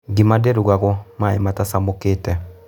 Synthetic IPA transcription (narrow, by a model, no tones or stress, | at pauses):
ɡimadeɾuɣaɣɔmaematasamokeːtɛ